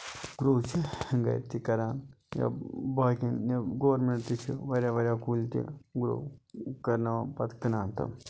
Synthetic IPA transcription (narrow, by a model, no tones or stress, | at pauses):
ɡɾoːt͡ʃʰiŋɡɐ̰jt̪ikɐɾaːnja̰baːkinjɐɡoːɾmeɳʈt̪it͡ʃʰiʋɐɾʲjaːʋɐɾʲjaːkult̪ʲḭɡɾo̰ːkɐɾnaapɐt̪kɐnaːnt̪ɐ̰